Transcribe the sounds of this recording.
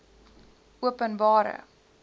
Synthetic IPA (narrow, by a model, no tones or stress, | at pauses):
uəpənbɑːɾə̰